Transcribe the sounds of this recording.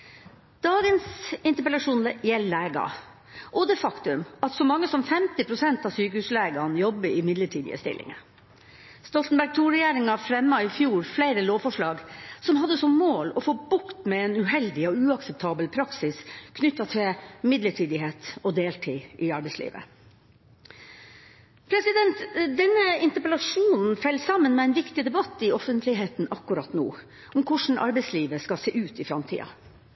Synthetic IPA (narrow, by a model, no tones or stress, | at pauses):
d̪̥ɑːɡənsɪnt̪əpɛlɑʂuːnlɛjɛlːæːɡɑ̰ | ʔɔd̪ɛfɑkt̪ʉmɑt̪sɔmɑŋːəsɔmfɛmt̪ɪpʰɾʊsɛnt̪ɑːsyːkəhʉːsleːɡɑnjɔbːəɪmɪd̪ləʈʰiːd̪ɪ̰ə̰st̪ɪ̰lʔɪ̰ŋə̰ | st̪ɔlt̪n̩bæɾɡ̚t̪ʰuːɾɛjeːɾɪŋɑfɾɛmːɑɪfjuːɾfleɪɾəloːʋfɔʂɭɑːɡsɔmɦɑd̪ːəsɔmːoːlɔfoːbʊkt̪mɛɛnʉɦɛld̪ɪɔʉːɑksɛp̚t̪ʰɑːbəlpʰɾɑksɪskʰnʏt̪ːɑt̪ʰɪlmɪd̪ləʈʰiːd̪ɪheːt̪ɔd̪eːlʈʰḭːʔɪɑɾbɛɪslḭːʋə̰ | pʰɾɛsɪd̪ɛnt̪d̪ɛnːəɪnt̪əpəlɑʂuːnn̩fɛlːsɑmːənmɛːɛɪnʋɪkt̪ɪd̪ɛbɑt̪ːɪɔfənt̪ʰlɪɦeːt̪nʔɑkːʉɾɑt̪nṵː | ɔmkʰʊʂɳ̩ʔɑ̰ɾbɛɪsliːʋəskɑseːʔʉːt̪ɪfɾɑmt̪ʰḭːɑ̰